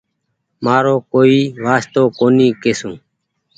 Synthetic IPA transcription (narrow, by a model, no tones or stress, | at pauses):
maːɾoːkoːiːʋaːst̪oːkoːniːkeːsũː